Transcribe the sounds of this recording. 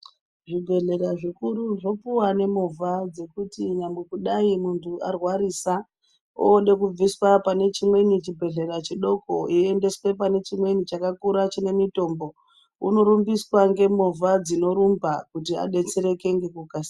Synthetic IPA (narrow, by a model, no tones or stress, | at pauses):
ʐibʱe̞ɮe̞ɾaʐikuɾuʐo̞puwane̞muvʱad͡ze̞kutiɲambwekuɗaimuntʰua̰rwaɾiːsa | o̰ːɗe̞k̬ub͡viswapane̞t͡ʃimwe̞nit͡ʃibʱe̞ɮe̞ɾat͡ʃiɗo̞ko̞ie̞nde̞swe̞p̬ane̞t͡ʃimwe̞nit͡ʃakakuɾat͡ʃine̞mito̞ːmbo̞ | uno̞ɾumbiswaŋɡe̞muvʱad͡zino̞ɾumbakutia̰ɗe̞t͡seɾe̞ke̞ŋɡe̞kukas